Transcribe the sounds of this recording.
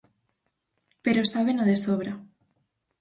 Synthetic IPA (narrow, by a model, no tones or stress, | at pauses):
peɾoest̪aβenoðesoβ̞ɾa